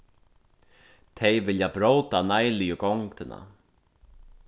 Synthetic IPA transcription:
t̪ʰejvɪljabɾowt̪anajlɪjʏɡɔŋt̪ʰɪna̰

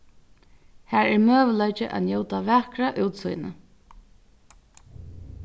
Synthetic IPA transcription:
hæːɹɛɹmøːʋəlɔjt͡ʃɪʔa̰t̪njoːwt̪aʋæːkɾaʔuːwt̪sṵjnə̰

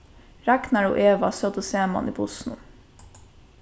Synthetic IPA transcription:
ɾæknæɹo̰ːʔeːʋɑsøt̪oseːmɑ̰nḭːbʊsnṵ

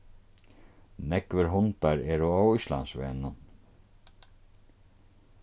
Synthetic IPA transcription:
nɛkvəɾɦʊnt̪aɾɛːɾʊawʊsla̰nsʋɛ̰ːnʊn

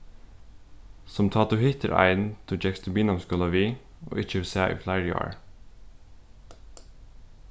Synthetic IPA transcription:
sɔmt̪ʰɑːt̪ʊhɪt̪əɾʔæ̰ɪn̩t̪ʰuːd͡ʒɛkst̪ʰʉbiːnɑmskɔlɑʋiː | ʔo̰ːʔɪt͡ʃəʋsæːʔḭːflæɪɾjɑ̰ːɹ

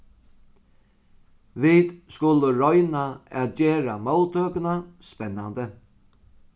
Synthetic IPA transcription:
ʋid̪skʊləɾɔjnaɛ̰t̪d͡ʒeːɾamɔwt̪øːkənaspɛnːand̪ə

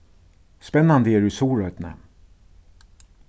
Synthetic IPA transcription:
spɛnːand̪əjæːɖʉsuːɹœʏt̪nə̰

